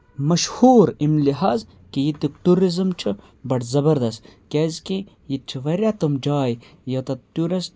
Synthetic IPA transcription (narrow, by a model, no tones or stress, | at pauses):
mɐʃhuːɾimliɦaz | kijit̪ik̚ʈ̪uɾizɨmt͡ʃʰu | bɐʈzɐbɐɾd̪ɐst̪kʲezki | jit͡ʃʰiʋɐɾjat̪ɐmd͡ʒaːjjɐt̪ɐt̪uɾis